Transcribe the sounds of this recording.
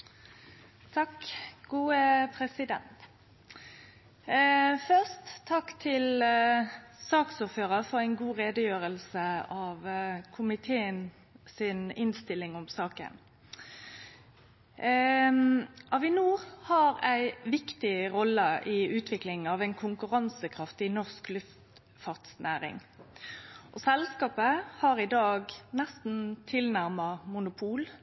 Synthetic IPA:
t̪ʰɑkɡ̥uːəpʰɾɛsɪd̪ɛ̰nt̪ | fœʁst̪ʰːɑkːt̪ʰɪl | sɑːksʊːføːɾəfɔʁæɪnɡuːʁeːd̪əjøːɾəlsəɑʋkʰʊmɪt̪ʰeːən | sɪnɪnst̪ɪlːɪŋɔmsɑːkə̰n | ʔɑʋɪnuːʁhɑʁæɪʋɪkt̪ɪʁɔlːəʔɪʉːt̪ʰʋɪklɪŋɑʋæɪnkʰʊŋkʉʁɑnsəkʰʁɑft̪ɪnɔʁsklʉft̪ | fɑʁt̪snæːʁɪ̰ŋ | ʔɔsɛlskɑːpəhɑʁɪd̪ɑːɡnɛst̪n̩t̪ʰɪlnæʁmɑmʊnʊpʰuːl

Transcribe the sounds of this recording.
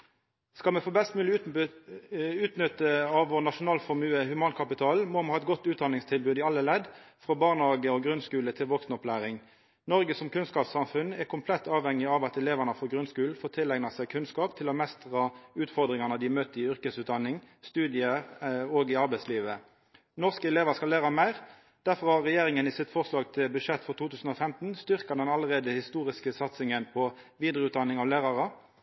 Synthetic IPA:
skɑlmɛfoːbɛst̪mʉːlɪ | ʉːt̪nʏt̪ːəɑʋɔnɑʂʊnɑːlfɔmʉːəhʉmɑːnkʰɑpɪt̪ʰɑːlmoːmɛhɑːɛt̪ɡɔt̪ːʉːt̪d̪ɑnɪŋst̪ʰɪlbʉːd̪ɪɑlːəlɛd̪fʁɔbɑːʁnɑːɡəɔɡʁʉnskʉːlət̪ʰɪlʋɔksnɔplæːʁɪŋ | nɔʁɡəsɔmkʉnskɑːpsɑmfʉnɛʁkʰʊmpʰlɛt̪ːɑːʋhɛŋɪɑʋɑt̪ɛleːʋæʁnəfɔɡʁʉnskʉːln̩foːʁt̪ʰɪlæɡnɑsæɪkʰʉnskɑːpt̪ʰɪlɔmɛst̪ʁɑʉːt̪fɔʁd̪ʁɪŋɑnəd̪ɪmøːt̪əɪʏʁkəsʉːt̪̚d̪ɑnːɪŋ | st̪ʉːd̪ɪəoːɡɪɑʁbæɪsliːʋə | nɔʁskəɛleːʋəskɑlæːʁɑmæɪʁ | d̪̥æʁfɔʁhɑʁʁɛjeːʁɪŋənɪsɪt̪fɔʁslɑːɡt̪ʰɪlbʉʂɛt̪ːfɔʁt̪ʰuːt̪ʰʉːsn̩ɔfɛmt̪n̩st̪ʏʁkɑd̪ɛnɑləʁeːd̪əhɪst̪uːʁɪskəsɑt̪sɪŋənpʰɔʋiːd̪ʁəʉːt̪̚d̪ɑnːɪŋɑʋlæːʁɑʁə

